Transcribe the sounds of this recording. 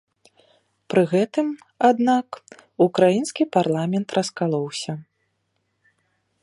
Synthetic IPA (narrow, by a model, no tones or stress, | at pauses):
pɾɨɣɛt̪ɨm | ad̪nakukɾajinskʲiparlˠamʲɛnt̪rʔɐskalˠɔwsʲɐ